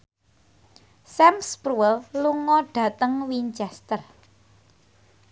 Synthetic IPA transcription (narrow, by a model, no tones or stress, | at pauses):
sɛmspɾuɛlluŋɔɖ̥ä̤t̪əŋwiɲt͡ʃɛst̪ər